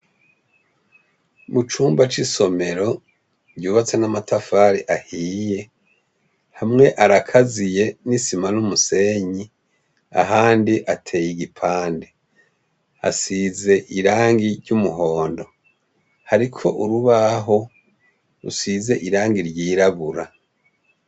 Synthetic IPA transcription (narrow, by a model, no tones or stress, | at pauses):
mut͡ʃuːmbat͡ʃiso̞me̞ɾo̞ | ɾɟuːβat͡se̞namatʰafaːɾiʔahiːje̞ | hamŋe̞ʔaɾakʰazije̞nisimanumuse̞ɲi | a̰ɦaːndiʔatʰe̞ːjiɡipʰaːnde | a̰size̞ʔiɾaːŋɡiɾɟumuɦo̞ːndo̞ | haɾikʰo̞ʔuɾuβaɦo̞ | ɾṵsize̞ʔiɾaːŋɡiɾɟiːɾaβuɾa